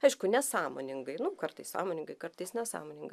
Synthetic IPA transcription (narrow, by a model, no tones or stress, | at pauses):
ɐɪʃkʊnʲɛsɑːmo̰ːnʲɪŋɡɐɪnʊkɐrt̪ɐɪssɑ̰ːmoːnʲɪŋɡɐɪkɐrt̪ɐɪsnʲɛsɑ̰ːmoːnʲɪŋɡɐɪ